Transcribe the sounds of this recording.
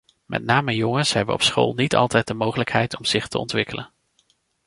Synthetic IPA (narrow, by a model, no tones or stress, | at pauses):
mʔɛ̰t̚naːməjɔŋənsɦɛbənɔ̰psχo̰lˠnitɑ̰lˠtɛjt̚dəmowχələkɦɛjtʰɔmz̥ɪχtəɔ̰ntʋɪkələn